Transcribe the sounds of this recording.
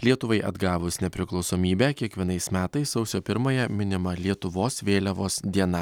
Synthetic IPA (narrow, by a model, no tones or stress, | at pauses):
lʲiɛt̪ʊʋɐɪʔɐ̰d̪ɡɑːʋʊsnʲɛpʲɾʲɪklˠɒʊsoːmʲiːbʲæːkʲiɛkʋʲiɛnɐɪsmʲæːt̪ɐɪssɐʊsʲoːpʲɪɾmɐjɛmʲɪnʲɪmɐlʲiɛt̪ʊʋoːsʋʲeːlʲɛʋoːsd̪ʲiɛnɐ